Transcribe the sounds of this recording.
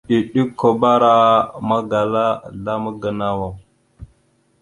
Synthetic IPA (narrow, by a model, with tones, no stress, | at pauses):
ɗi˨ɗi˦kʰːo˨ba˦ɾa˦ma˦ɡa˨la˦la˦mə˦ɡə˨na˦wa˨w